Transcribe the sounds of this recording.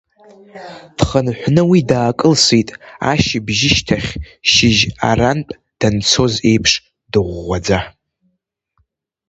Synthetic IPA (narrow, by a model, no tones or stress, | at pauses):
d̥χənħʷnɨwidaːkʼɨlsitʼa̰ʃibʒɪʃtʰaχʲʃɪʒa̰ranpʼ | d̥ant͡sʰo̞ze̞jpʰʂ | d̥ɨʁʷːad͡za